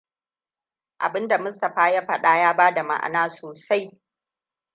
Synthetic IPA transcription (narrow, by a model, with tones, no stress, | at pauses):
ʔa̰˨bɪ˦nda˨mʊ˦stɐ˨ɸaː˦ja˦ɸɐ˦ɗa˦jaː˦baː˦da˨ma̰˨ʔa̰˨naː˦soː˨sa˦j